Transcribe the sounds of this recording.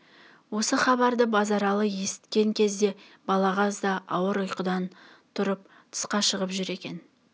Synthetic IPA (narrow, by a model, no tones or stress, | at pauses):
wo̞səχɑβɑɾd̪əbɑzɑɾɑlˠəje̞sɪ̥t̪kʲe̞ŋkʲʰe̞zd̪e̞bɑlˠɑʁɑzd̪ɑʔɑwəɾʊjqəd̪ɑn | t̪ʰʊɾəp̚ | t̪ʰə̥sqɑʃəʁəpʒʏɾe̞kʲe̞n